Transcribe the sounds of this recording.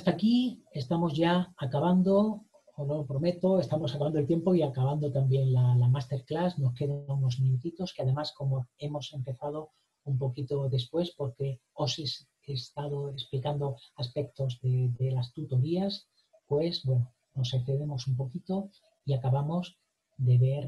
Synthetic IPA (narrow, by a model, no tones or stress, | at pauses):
ast̪akiest̪amo̞zʝaːkaβand̪o̞ | onopɾo̞me̞t̪o̞e̞st̪amosakaβand̪olt̪je̞mpo̞iakaβand̪ot̪ambje̞nlalamast̪e̞ɾklasno̞ske̞ðanuno̞zmĩnut̪it̪o̞skeaðe̞masko̞mo̞e̞mo̞se̞mpe̞θað̞o̞ | umpo̞kit̪o̞ðe̞spwe̞spo̞ɾke̞o̞ses | est̪aðo̞e̞splikand̪o̞aspe̞k̚t̪o̞zðeðe̞last̪ut̪o̞ɾias | pwe̞sbweno | no̞sekθe̞ðemo̞sumpo̞kit̪o̞ | iakaβamo̞z | d̪e̞βe̞ɾ